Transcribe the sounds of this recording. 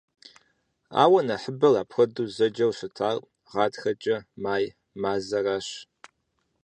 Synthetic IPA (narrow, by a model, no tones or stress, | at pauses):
a̰ːwɐnɐħəbɐlaːpʰxʷɐduːzɐd͡ʒɐwɕɪtʰaːrʼ | ʁɑːtxɐt͡ʃʼɐmaːj | maːzɐraːɕ